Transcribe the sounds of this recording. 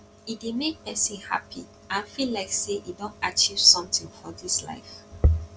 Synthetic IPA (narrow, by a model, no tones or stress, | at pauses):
itdemek̚pɛsĩnha̰pʰi | ʔãnfilaɪkseʔidɔ̃ntat͡ʃiv̥sɔ̃mtĩŋfɔdisla̰ɪf